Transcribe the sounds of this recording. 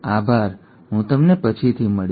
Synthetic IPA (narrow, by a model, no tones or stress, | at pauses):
abʱaɾ | ɦũt̪əmnepət͡ʃʰit̪ʰiməɭ